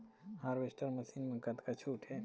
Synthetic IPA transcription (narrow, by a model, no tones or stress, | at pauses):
haːɾʋesʈəɾmɐsiːnmə̃ŋkat̪kat͡ʃʰuːʈʰɦe